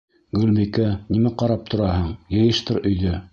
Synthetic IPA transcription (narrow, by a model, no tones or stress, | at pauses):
ɡɵlmikænimæqɑɾɑp̚t̪ŏɾɑɦɤɴjɤ̆jɤ̆ʃt̪ɤɾɵ̆jðɵ